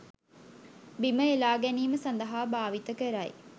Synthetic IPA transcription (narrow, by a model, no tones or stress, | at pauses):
biməelaːɡæniːməsɐnd̪ɐɦaːbaːʋit̪əkəɾaj̰